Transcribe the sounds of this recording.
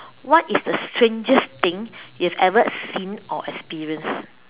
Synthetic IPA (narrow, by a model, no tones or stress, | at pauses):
wɔtisdəstʰɹẽnd͡ʒəst̪ɪ̃ŋjuhɛvɛvəsĩnʔɔ̰ʔɛkspiɹiə̃ns